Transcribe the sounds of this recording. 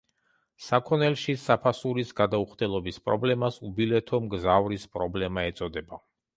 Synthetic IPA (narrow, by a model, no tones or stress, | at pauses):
sakʰɔnɛlʃisapʰasuɾisɡad̪auχd̪ɛlˠɔbispʼɾɔblɛmasubilɛt̪ʰɔmɡzavɾispʼɾɔblɛmaɛt̪sʼɔd̪ɛba